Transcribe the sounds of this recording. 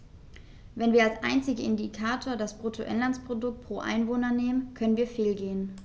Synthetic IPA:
vɛnviːɐalsʔaɪnt͡sɪɡəɪ̰ndikʰaːtʰoːɐdasb̥ʁʊtʰoʔɛnlant͡spʁ̥odʊk̚t̚pʁ̥oːʔa̰ɪnvoːnɐneːmənkʰœnənviːɐfeːlɡeːən

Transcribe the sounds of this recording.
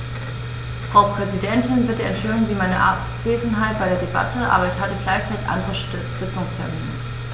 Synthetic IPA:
fʁ̥aʊpʁ̥ɛzidɛntʰɪnvɪɐtd̥eːɐɛnʃeːŋviːmaɪnəʔa̰p | v̥eːzn̩ɦaɪt̚b̥aɪɾeːɐdeba̰tʰəʔa̰ːbɐɪçhatəɡlaɪçt͡saɪtʔa̰ndəʁə | z̥ɪt͡sʊŋstʰɛɐmḭːnənə

